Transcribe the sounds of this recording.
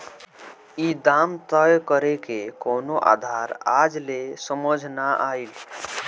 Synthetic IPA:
id̪amt̪əjkəɾekekonoʔa̰d̪ʱaɾad͡ʒlesəməd͡ʒʱnaʔail

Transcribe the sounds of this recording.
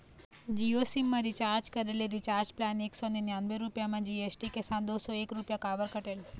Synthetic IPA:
d͡ʒiosimːãɾit͡ʃaɾd͡ʒkəɾeleɾit͡ʃaɾd͡ʒplaneksonenjanbeɾupjamãd͡ʒiesʈikesãnd̪osoekɾupjakaʋəɾkəʈel

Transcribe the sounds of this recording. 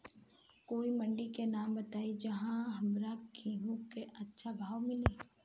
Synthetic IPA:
koːimɐ̃ɳɖikenaːmbɐt̪aːid͡ʒɐɦãɦɐmɾakʰiɦũkeʔɐtːʃʰabʱaːʋmɪle

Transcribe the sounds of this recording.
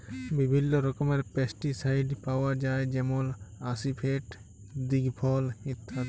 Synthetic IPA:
bibʱilːɔɾɔkɔmɐɾpesʈisajɖpawad͡ʒaːed͡ʒɛmolasipʰeʈ | d̪iɡpʰɔːlit̪ʰːa

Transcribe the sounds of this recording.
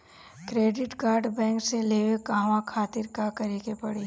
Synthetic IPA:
kɾeːɖɪʈkaːɾɖbɛ̃ːŋkseleːʋekaːʋãkʰaːt̪ɪɾkakɐɾikepɐɽi

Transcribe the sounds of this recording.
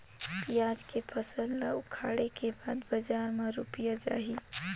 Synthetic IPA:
pijaːd͡ʒkepʰəsəllaʊkʰaːɽekebaːd̪bəd͡ʒaːɾmeɾʊpijad͡ʒa̰ːɦi

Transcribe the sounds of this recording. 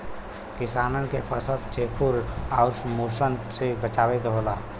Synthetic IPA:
kɪsaːnənkepəsəd̪̚t͡ʃepʰuɾaʊɾsmosənsebət͡ʃaːet̪ɦoːla

